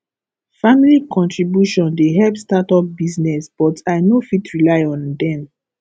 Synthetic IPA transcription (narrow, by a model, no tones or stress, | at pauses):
familikʰɔ̃ntɹibjuʃɔ̃ndeɦɛlpstatɔp̚biznɛsb̥ɔtaɪnofitʰɹilaɪɔ̃ndɛ̃n